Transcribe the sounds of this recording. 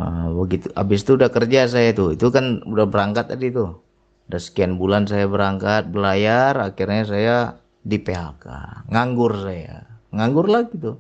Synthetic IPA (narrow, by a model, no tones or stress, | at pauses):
əbəɡit̪uʔa̰bɪs̬t̪uːdahkərd͡ʒas̬ajat̪uit̪ukanudahbəɾaŋkat̪ːadit̪u | udahsə̥kianbulans̬ajabəɾaŋkat̪̚bəlajarakirɲas̬aja | dipeɦaka̰ŋaŋɡʊrsaja̰ŋaŋɡʊrlaɡit̪u